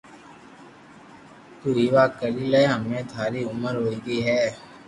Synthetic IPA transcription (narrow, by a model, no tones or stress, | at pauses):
t̪ʊɾiːʋaːkəɾiːlaɦəmẽːt̪ʰaːɾiːʊməɾɦoːiːɡiːɦɛː